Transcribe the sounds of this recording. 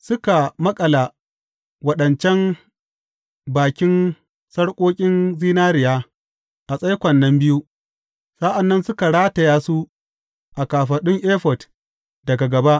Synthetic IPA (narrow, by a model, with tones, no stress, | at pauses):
sʊ˦ka˨mɐ˦kʼɐ˨la˨ | wɐ˦ɗɐ˨nt͡ʃɛ˦n | baː˨kʲɪ˦n | sɐ˦ɽkʷʼoː˦kʲʼɪ˦nziː˦naː˦ɾɪ˨jaː˦ | ʔa˨sʼɐ˦jkʷɐ˨nːɐ˦mbɪ˦ju˦ | sa˦ʔa˨nːɐ˦nsʊ˦ka˨ɽaː˦tɐ˨jaː˦su˦ | ʔa˨kaː˨ɸɐ˨ɗʊ˦ŋʔeː˦ɸɔ˨t | dɐ˨ɡa˨ɡɐ˨ba˦ʔ